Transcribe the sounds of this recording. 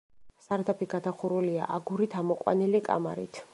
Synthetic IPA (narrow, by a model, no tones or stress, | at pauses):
saɾd̪apʰiɡad̪aχuɾulia̰ʔaɡuɾit̪ʰamɔqʼwa̰nilikʼa̰ma̰ɾḭt̪ʰ